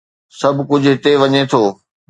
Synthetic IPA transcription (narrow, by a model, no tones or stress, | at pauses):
sɐbʱkʊd͡ʑʱʊɦɪt̪eʋɐɲet̪ʰoː